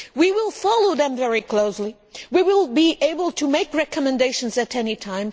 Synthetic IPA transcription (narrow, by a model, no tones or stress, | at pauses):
wiwɪlˠfɑlˠoʊðɨ̃ɱvɛɹikʰl̥oʊsli | wiwɪlˠbiʔeɪbəlˠtʰɨmeɪkɹɛkəmɨ̃ndeɪʃɨ̃n̩zɨɾɛnitʰãɪ̃m